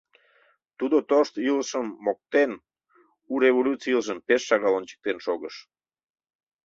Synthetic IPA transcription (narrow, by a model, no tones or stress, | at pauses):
t̪ud̪ot̪oʃt̪yləʃəmːok̚t̪en | uɾeβolʲut̪t͡siəlˠʒəmpeʃːɑɣɑlonʲt͡ɕə̥k̚t̪enʃoɣəʃ